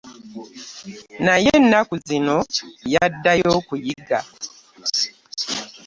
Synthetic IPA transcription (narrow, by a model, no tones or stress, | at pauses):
najenːakuzino̞jadːajo̞kujiɡa̰